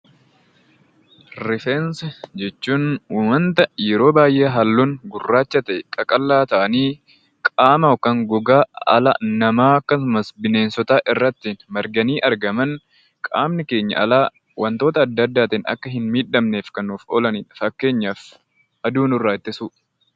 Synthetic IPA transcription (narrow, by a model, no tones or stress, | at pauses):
ɾɪfɛnsɛd͡ʒɛt͡ʃːuːnuːmɐnt̪ɐjɛɾo̞ːbaːjʔeːɦɐlːuːnɡʊrːaːt͡ʃːɐt̪ɐɛkʼɐkʼɐlːaːt̪ɐʔɐniː | kʼaːmɐfkɐŋɡʊɡaːɐ̰lɐ̰nɐmaːɐkːɐsʊmɐsbɪne̞ːnsɔt̪aːʔɪrːɐt̪ːɪnmɐɾɡɐniːʔɐɾɡɐmɐn | kʼaːmnɪke̞ːɲːɐ̰ʔɐ̰laː | wɐnt̪o̞ːt̪ɐːd̪ːɐːd̪ːaːt̪inɐ̰kːɐɦɪnmiːᶑɐmneːfkɐnuːfɔ̰ːlɐniːᶑɐfɐkːe̞ːɲːaːf | ɐd̪uːnʊrːaːt̪ːɪsuː